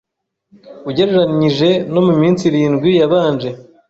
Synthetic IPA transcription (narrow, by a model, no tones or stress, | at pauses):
uɟe̞ɾeɾaɲiʒe̞no̞mumiːnt͡siɾiːnɡwijaβaːnd͡ʒe̞